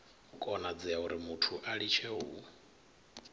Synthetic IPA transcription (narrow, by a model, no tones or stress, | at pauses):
kʼɔnad͡ziauɾimutʰuʔaɺit͡ʃʰɛɦṵ